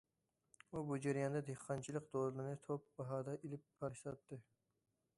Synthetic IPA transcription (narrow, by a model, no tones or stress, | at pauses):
ubud͡ʒaɾijɑnd̪ɑd̪ehqʰːɑnt͡ʃʰilˠɨqd̪ollˠɨnɪt̪ʰop̚bɑɦɑːd̪ɑʔilɪpːʰɑɾʃlˠɑt̪ːɨ